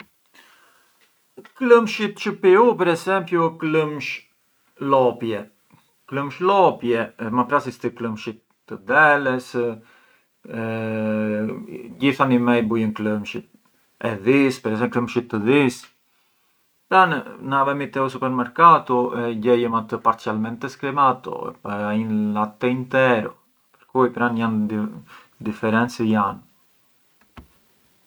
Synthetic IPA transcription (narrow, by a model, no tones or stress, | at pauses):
kləmʃit̪t͡ʃəpiupɛɾɛsɛmpjukləmʃ | lɔpjɛ | kləmʃlɔpjɛmapɾasist̪ikləmʃit̪ːəd̪ɛlɛs | ɟiθanimɛjbujənkləmʃit̪̚ | ɛðispɛɾɛs̬ɛkləmʃit̪ːəðis | pɾannavɛmit̪ɛus̬upɛɾmɛɾkat̪uɛɟɛjəmat̪əpaɾt͡sialmɛnt̪ɛsklɛmat̪ɔ̰ɛ̰paainlat̪ɛint̪ɛɾɔ̰ | pəɾkujpɾanjan | d̪ifɛɾɛnt͡səjan